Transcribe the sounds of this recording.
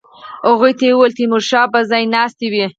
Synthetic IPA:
aɣujt̪ewalt̪imʊɾʃɑpazɑjnɑst̪iwi

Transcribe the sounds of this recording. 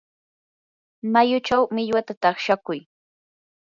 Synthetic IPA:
majʊt͡ʃawmɪʎwat̪at̪ɑχʃakʊj

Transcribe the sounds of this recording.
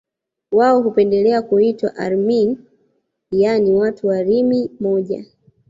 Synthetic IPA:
waɔɦupɛndɛlɛakuitwa̰ʔa̰ɾmin | janiwatuwaɾimimɔʄa̰

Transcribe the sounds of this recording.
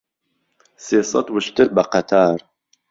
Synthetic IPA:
seːsɑ̰t̪wɨʃt̪ɨɾbɐqæt̪ʰaːɾ

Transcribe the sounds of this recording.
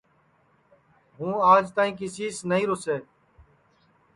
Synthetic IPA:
ɦũːaːd͡ʒt̪aːĩːkɪsiːsnəɦĩːɾoseː

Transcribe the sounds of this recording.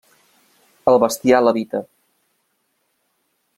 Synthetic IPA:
əlˠβəst̪ialəβit̪ə

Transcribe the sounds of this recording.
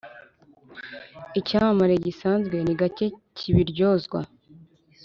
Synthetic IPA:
icaːmamaɾe̞ɟisaːnzɡwe̞niɡace̞cʰiβiɾɟo̞ːzɡwa̰

